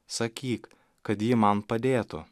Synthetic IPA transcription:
sɐkʲiːk | kɐt̪jiːmɐnpɐd̪ʲeːt̪ʊ

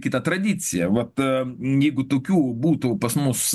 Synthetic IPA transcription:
kʲɪt̪ɐt̪ɾɐd̪ʲɪt̪t͡s̪ʲɪjɛʋɐt̪jɛɪɡʊt̪oːkʲuːbuːt̪ʊpɐsmʊs

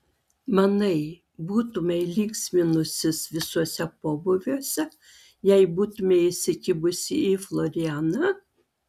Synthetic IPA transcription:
mɐnɐɪ | buːt̪ʊmʲɛɪlʲiːksʲmʲɪnʊsʲɪsʋʲɪsuɔsʲɛpoːbʊʋʲuɔsʲɛ | jɛɪbuːt̪ʊmʲeɪsʲɪkʲɪbʊsʲɪɪflˠɔɾʲɪaːnɐ

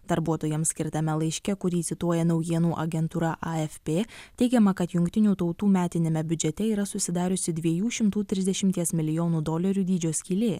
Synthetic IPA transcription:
d̪̥ɐɾbuɔt̪oːjɛmsʲkʲɪɾt̪ɐmʲɛlˠɐɪʃʲkʲɛkʊɾʲiːt̪sʲɪt̪uɔjɛnɐʊjiɛnuːʔɐɡʲɛnt̪uːɾɐʔɐɛfʲpʲeːt̪ʲɛɪɡʲɛmɐkɐt̪jʊŋʲkt̪ʲɪnʲuːt̪ɒʊt̪uːmʲæːt̪ʲɪnʲemʲɛbʲʊd͡ʒʲɛt̪ʲɛiːɾɐsʊsʲɪd̪ɑːɾʲʊsʲɪd̪ʲʋʲiɛjuːʃʲɪmt̪uːt̪ʲɾʲɪzd̪ʲɛʃʲɪmʲt̪ʲiɛsmʲɪlʲɪjoːnuːd̪oːlʲɐɾʲuːd̪ʲiːd͡ʒʲoːsʲkʲiːlʲeː

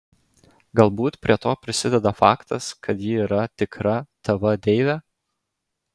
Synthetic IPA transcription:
ɡɐlˠbuːt̪pʲɾʲiɛt̪oːpʲɾʲɪsʲɪd̪ʲɛd̪ɐfɑ̰ːkt̪ɐskʰɐt̪jiːɾɐt̪ʲɪkɾɐt̪ɐʋɐd̪ʲɛɪʋʲæ

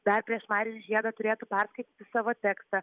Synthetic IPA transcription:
d̪ɐrpʲɾʲiɛʃmɑɪɾʲɪnʲʒʲiɛd̪ɐt̪ʊɾʲeːt̪ʊpʲɛɾskɐɪt̪ʲiːt̪ʲɪsɑːʋoːt̪ʲæːkst̪ɐ

